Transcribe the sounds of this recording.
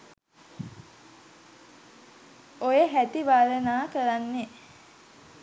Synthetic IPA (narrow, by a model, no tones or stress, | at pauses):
ojeɦæt̪ibaːlənaːkəɾanːe